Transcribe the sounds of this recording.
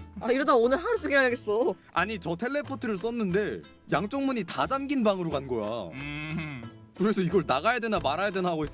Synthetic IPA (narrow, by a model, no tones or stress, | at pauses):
aiɾʌdaonɯɭɦaɾot͡ɕ͈ʰuɡeaaɡes͈ʌ | a̰ɲit͡ɕʌtʰe̞ɭːe̞pʰotʰɯɾɯɭs͈ʌnːɯnde̞ | jaŋt͡ɕ͈oŋmuɲitad͡ʑamɡinbaŋɯɾoɡanɡʌja̰ | kɯɾesʰʌiɡʌɭnaɣajadwe̞namaɾajadwe̞nɦaɡois͈